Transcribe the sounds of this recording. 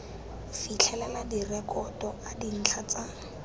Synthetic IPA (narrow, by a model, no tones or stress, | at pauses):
fit͡ɬʰɛlɛladirɛkʼɔtʼɔʔadin̩t͡ɬʰat͡sa